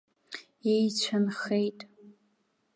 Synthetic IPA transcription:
ejt͡ɕʷʰanχejtʼ

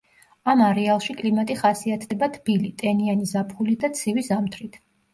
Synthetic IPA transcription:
amaɾɛalˠʃikʼlimat̪ʼiχasiat̪ʰd̪ɛbat̪ʰb̥ilit̪ʼɛnianizapʰχulid̪at̪sʰivizamt̪ʰɾit̪ʰ

